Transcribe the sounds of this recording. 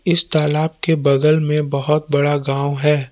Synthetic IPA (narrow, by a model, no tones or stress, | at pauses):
ɪst̪aːlaːb̚kebɐɡəlmẽbɐɦʊt̪̚bɐɽaɡãːwɦɛː